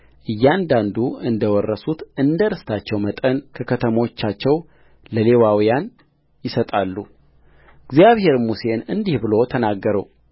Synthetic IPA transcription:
ʔɨjːand̪and̪uɨnd̪əwɔrːəsut̪ɨnd̪əɾɨst̪ʰat͡ʃːɛwmət̪ʼənkʰəkʰət̪ʰəmot͡ʃːat͡ʃːɛw | ləle̞wawijan | jɪsət̪ʼalːu | ɨɡzijaβhe̞ɾmuse̞nɨnd̪ihbɨlo̞t̪ʰənaɡːəɾəw

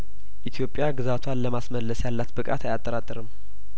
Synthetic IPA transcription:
ʔit̪ʰjo̞pʼːjaɡɨzat̪ʰwanləmasməlːəsjalːat̪bɨkʼat̪ajat̪ʼːəɾat̪ʼːɨɾɨmː

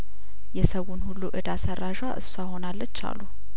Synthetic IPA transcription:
jɛsəwːunhulːuʔɨd̪asərːaʒwa̰ʔɨsːaho̞nalːət͡ʃːa̰lːu

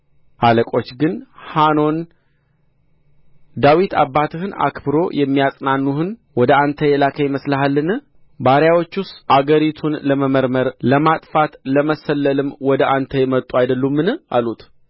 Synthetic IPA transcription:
ʔaləkʼo̞t͡ʃːɡɨnhano̞n | d̪awit̪ʰa̰bːat̪ʰɨhɨna̰kbɨɾo̞jɛmːijasʼnanːuhɨnwɔd̪əant̪ʰəjɛlakʰəjməsləɦalːɨn | baɾjawo̞t͡ʃːʊst̪ʔaɡəɾit̪ʰunləməməɾməɾləmat̪ʼfat̪ləməsəlːəlɨmwɔd̪əʔant̪ʰəjɛmət̪ʼːuajd̪əlːumːɨnɨʔa̰lut̪

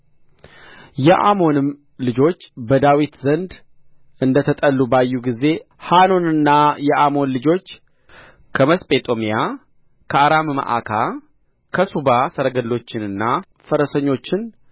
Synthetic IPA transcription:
jɛʔa̰mo̞nɨm | lɨd͡ʒo̞t͡ʃːbəd̪awit̪zənd̪ | ɨnd̪ət̪ʰət̪ʼəlːubajːuɡize̞ | hano̞nɨnːajɛʔamo̞nlɨd͡ʒo̞t͡ʃː | kʰəməspʼe̞t̪ʼo̞mija | kʰəaɾamma̰ʔa̰kʰa | kʰəsubasəɾəɡəlːo̞t͡ʃːɪnɨnːa | fəɾəsəɲːo̞t͡ʃːɪn

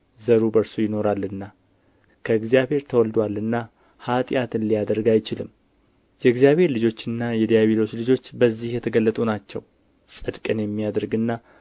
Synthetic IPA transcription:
zəɾubəɾsujɪno̞ɾalːɨnːa | kʰəɨɡzijabhe̞ɾt̪ʰəwɔld̪walɨnːa | hat̪ʼjat̪ɨnlijad̪əɾɡajɪt͡ʃɪlɨmː | jɛɡzijaβhe̞ɾlɨd͡ʒo̞t͡ʃːɨnːajɛd̪ijaβilo̞t͡ʃːlɨd͡ʒo̞t͡ʃːbəzːihjɛt̪ʰəɡəlːət̪ʼunat͡ʃːɛ̰w | sʼɨd̪kʼənjɛmːijad̪əɾɡɨnːa

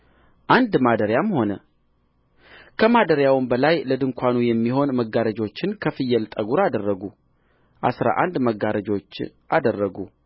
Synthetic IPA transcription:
ʔand̪mad̪əɾjamho̞nə | kʰəmad̪əɾjawmbəlajləd̪ɨŋkʰʷanujɛmːiho̞nməɡaɾəd͡ʒo̞t͡ʃːɪnkʰəfɨjːɛlt̪ʼəɡuɾad̪ərːəɡu | ʔa̰sɾa̰ʔand̪məɡaɾəd͡ʒo̞t͡ʃː | ʔad̪ərːəɡu

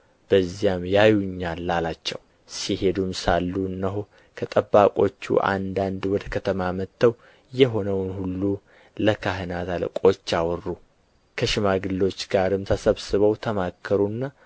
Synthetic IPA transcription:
b̥əzːijamjajuɲːalːalat͡ʃːɛw | sihe̞d̪umsalːuɨnːəɦo | kʰət̪ʼəbːakʼo̞̰t͡ʃːṵʔa̰nd̪and̪wɔd̪əkʰət̪ʰəmamət̪ʰːəw | jɛɦo̞nəwnhulːu | ləkʰaɦənat̪ʰalə̰kʼo̞t͡ʃːawɔrːu | kʰəʃɪmaɡɨlːo̞t͡ʃːɡaɾɨmt̪ʰəsəβsɨβəwt̪ʰəmakʰːəɾunːa

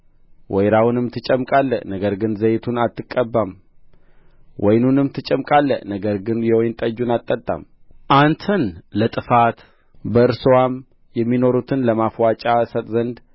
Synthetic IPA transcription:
wʔɔjɾawnɨmt̪ʰɨt͡ʃʼːəmkʼalːənəɡəɾɡɨnzəjt̪ʰunat̪ʰːɨkʼːəbːam | wʔɔjnunɨmt̪ʰɨt͡ʃʼəmkʼalːənəɡəɾɡɨnjɛwojnt̪ʼəd͡ʒːunat̪ʼːət̪ʼːa̰m | ʔant̪ʰənlət̪ʼɨfat̪ | bəɨɾsɨwam | jɛmːino̞ɾut̪ʰɨnləmafwat͡ʃʼasət̪ʼzənd̪

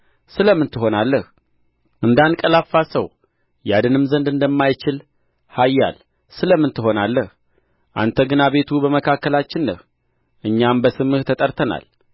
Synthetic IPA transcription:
sɨləmːɨnt̪ɨɦo̞nalːəh | ʔɨnd̪ankʼəlafːasəw | jad̪ɨnɨmzənd̪ɨnd̪əmːajt͡ʃɪl | hajːa̰l | sɨləmːɨnt̪ɨɦo̞nalːəh | ʔa̰nt̪ʰəɡɨnaβe̞t̪ʰubəməkʰakːəlat͡ʃːɪnːə̰h | ʔɨɲːambəsɨmɨht̪ʰət̪ʼəɾt̪ʰəna̰l

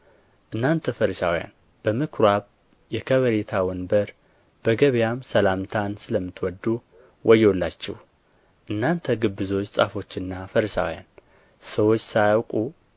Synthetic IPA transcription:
ʔɨnːant̪ʰəfəɾisawja̰n | b̥əmɨkʰɾaβ | jɛkʰəβəɾet̪ʰawɔnbəɾ | b̥əɡəβjamsəlamt̪ʰansɨləmːɨt̪wɔd̪ːu | wʔɔjːɛwlːat͡ʃːɛ̰w | ʔɨnːant̪ʰəɡɨbːɨzo̞t͡ʃːsʼa̰fo̞t͡ʃːɨnːafəɾisa̰wja̰n | səwo̞t͡ʃːsajawkʼu

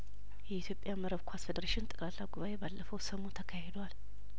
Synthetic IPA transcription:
jɛit̪jo̞pʼjaməɾəβkʰʷasfed̪əɾaʃɪnt̪ʼɨkʼɾalːaɡuβaʔe̞balːəfəwsəmut̪ʰəkʰahed̪wal

